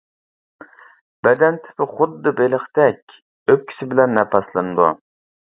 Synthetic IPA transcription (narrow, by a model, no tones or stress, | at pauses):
b̥ɛd̪ɛnt̪ʰɪ̥pɪχʊd̪ːɨbeləχt̪ɛkʲ | øp̚kʲʰi̥sɪbɪlɛnːɛpʰɑslˠɨnɨd̪ṵ